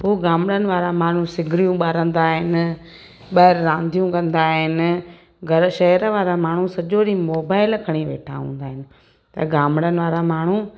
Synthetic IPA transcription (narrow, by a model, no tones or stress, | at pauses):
ɦoːɡaːmɽənɪ̆ʋaːɾamaːɳ̤ũsɪɡʱɾijũɓaːɾə̃nd̪aːɦɪnɪ̆ | ɓɐːɪɾɾãːnd̪ʱijũkɐ̃nd̪aːɦɪnɪ̆ | ɡʱɐɾʃɐɦəɾəʋaːɾamaːɳ̤usɐʄoːɾimoːbaːɪlkʰɐɽ̃iʋeːʈʰa̰ɦṵ̃ːn̆d̪aːɦɪnɪ̆ | t̪ɐɡaːmɽənɪ̆ʋaːɾamaːɳ̤u